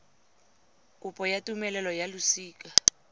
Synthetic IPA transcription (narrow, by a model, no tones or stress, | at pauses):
kʼʊpʼɔjatʼumɛlɛlɔjalusiːkʼa